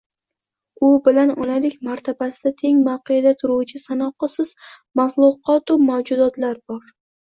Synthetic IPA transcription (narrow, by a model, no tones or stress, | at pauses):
ʊbɪlanɒnalɪkʲmaɾt̪ʰabasɪd̪at̪ʰe̞ŋmawqʰejad̪at̪ʰʊɾuwt͡ʃʰɪsanɒqɨsɪz̥maflˠʊqɒt̪ʊmawd͡ʒʊd̪ɒt̪laɾbɒɾ